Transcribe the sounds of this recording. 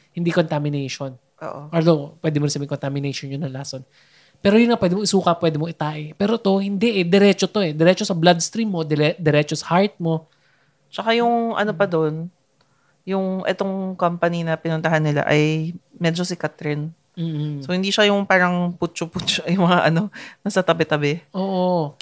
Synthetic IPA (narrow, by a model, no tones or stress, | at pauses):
hɪnd̪ikont̪amɪnɛjʃon | ʔo̰ːʔoʔɐld̪opwɛːd̪ɪmoɾɪnsɐbɪŋkont̪amɪnɛjʃonjʊnːɐlaːson | pɛːɾojʊnŋapwɛːd̪ɪmoɪsuːkɐpwɛːd̪ɪmoʔɪt̪aːʔɪpɛːɾot̪o̞hɪnd̪ɛʔɛd̪ɛɾɛːt͡ʃot̪o̞ʔɛd̪ɛɾɛːt͡ʃo̞sɐblad̪st̪ɾimːo̞d̪ɛɛd̪ɛɾɛːt͡ʃosɐhaɹt̪̚mo̞ | t͡ʃɐkajʊŋʔɐ̰nopɐd̪on | jʊŋʔɛt̪o̞ŋkɐmpɐninɐpɪnʊnt̪ɐɦanːɪla̰ʔɐjmɛd͡ʒosɪkat̪ɾɪn | m̩ːsohɪnd̪iʃajʊŋpaːɾɐŋput͡ʃoput͡ʃojʊŋmɐŋaʔɐno̞nɐsɐt̪ɐbɛt̪ɐbɛʔoːʔo